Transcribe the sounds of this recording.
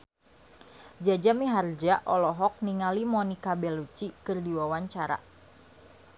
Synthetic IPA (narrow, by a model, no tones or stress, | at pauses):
d͡ʒad͡ʒamiɦard͡ʒaʔɔlɔɦɔk̚niŋalimɔnikabɛlut͡ʃikɨrdiwawaɲt͡ʃaɾa̰